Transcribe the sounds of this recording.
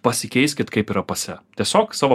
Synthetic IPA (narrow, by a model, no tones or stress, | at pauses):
pɐsʲɪkʲɛɪsʲkʲɪt̪kɐɪpiːɾɐpɐsʲɛt̪ʲiɛsʲoːksɑːʋo